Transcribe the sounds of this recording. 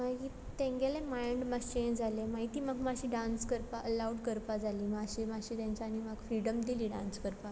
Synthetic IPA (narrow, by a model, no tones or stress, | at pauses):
maɡiː | t̪ẽŋɡelẽmajɳɖmaɡt͡ɕeɲd͡zʱalemaɦit̪iːmaɡmaɕiːɖãnskəɾpaʔəlawʈkəɾpad͡zʱaliːmaɕimaɡɕiːt̪jãɲt͡ɕaːnimaɡfɾiɽəmd̪iliːɖã̰nskəɾpa